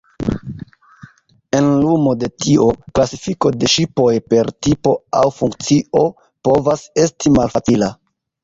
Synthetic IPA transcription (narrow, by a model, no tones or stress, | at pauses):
e̞nlumo̞de̞tio̞klasifiko̞de̞ʃipo̞jpe̞ɾtipo̞a̰wfuŋk̚t͡sio̞ | po̞vase̞stimalfat͡sila